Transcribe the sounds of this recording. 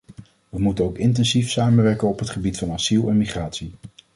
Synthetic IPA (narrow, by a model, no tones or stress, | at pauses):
ʋəmutənowkɪntɛnzifsaːmənʋɛɹkənɔpɦətχəbitfɑnasilˠɛnmiχraːtsi